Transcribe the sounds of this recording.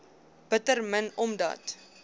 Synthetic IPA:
b̥ətərmənɔmdɐ̰ːt

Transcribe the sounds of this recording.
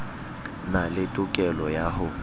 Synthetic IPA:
nalɪtʼʊkʼɛlɔjaɦʊ

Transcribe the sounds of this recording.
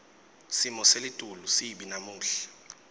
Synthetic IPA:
simɔselitʼulusiɓinamuːɬɛ̥

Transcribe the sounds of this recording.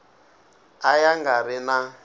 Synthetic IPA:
ajaŋɡaɾɪna

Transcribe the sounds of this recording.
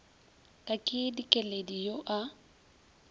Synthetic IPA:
kʼakʼɪdikʼɛledijoʔa

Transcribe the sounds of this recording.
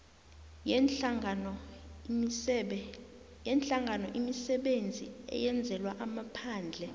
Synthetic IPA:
jɛnt͡ɬʼaŋɡʱanɔʔimisɛɓend͡zʱḭɛ̰jɛnd͡zʱɛlwaʔamapʰaːnd͡ɮʱɛ

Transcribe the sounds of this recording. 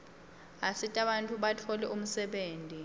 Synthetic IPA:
asitʼaɓantʼuɓatʰɔlɛʔum̩sɛɓeːntʼi

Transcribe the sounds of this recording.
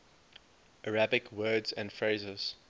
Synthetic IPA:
ʔəɹabɪkʰwɜːdzæ̰̃ndfɹeɪzəz̥

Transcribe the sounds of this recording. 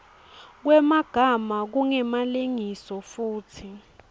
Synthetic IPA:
k̬wɛmaɡ̥ʱamak̬uŋɛmaliŋisɔfuːtʰi

